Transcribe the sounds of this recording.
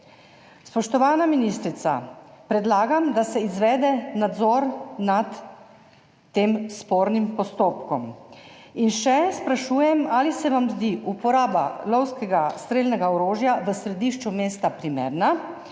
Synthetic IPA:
spɔʃt̪ɔʋaːnaminist̪ɾit̪sa̰pɾɛd̪laːɡamd̪asɛizʋɛːd̪ɛnad̪zɔːɾnat̪ | eːmspoːɾnimpɔst̪oːpkɔm | inʃɛspɾaʃuːjɛmalisɛʋamzd̪iʔupɔɾaːba̰lɔwskɛɡast̪ɾeːlnɛɡaɔɾoːʒjaʋəsɾɛd̪iʃt͡ʃumeːst̪apɾimḛːɾna

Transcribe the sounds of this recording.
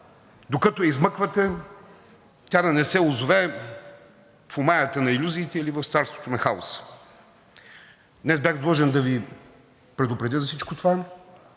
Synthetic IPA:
d̪okət̪oɛizmɤkvət̪ɛ | t̪ʲad̪ɐnɛsɛʊzʊvɛ | fʊmajət̪ənɐilʲuziːt̪ɛilivəft̪saɾst̪vot̪onɐxao̰sə̥ | d̪nɛzbjaɣd̪lˠɔʒɛnd̪ɐvi | pɾɛd̪ʊpɾɛd̪ʲəzɐfsit͡ʃkot̪ova

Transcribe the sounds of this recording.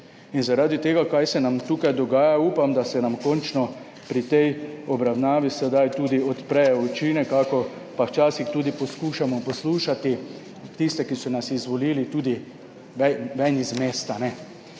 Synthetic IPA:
inzaɾaːd̪it̪eːɡakajsɛnamt̪uːkajd̪ɔɡaːjauːpamd̪asɛnamkɔnt͡ʃnɔ | pɾit̪ɛjɔbɾawnaːʋisɛd̪ajt̪uːd̪iɔt̪pɾɛjɛut͡ʃiːnɛkakɔ | pawt͡ʃaːsixt̪uːd̪ipɔskuːʃamɔpɔsluːʃat̪i | t̪ist̪ɛkisɔnasizʋɔliːlit̪uːd̪i | ʋɛʋɛnizmeːst̪anɛ

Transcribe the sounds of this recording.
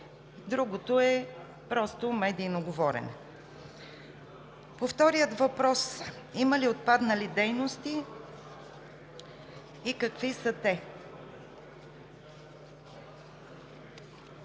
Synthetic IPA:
d̪ɾuɡot̪oɛ | pɾɔst̪omɛd̪iːnoɡovɔɾɛ̰n | poft̪ɔɾiət̪vɐpɾɔs | iməliot̪̚pad̪nɐlid̪ɛjnost̪i | kɐkvisət̪ɛ

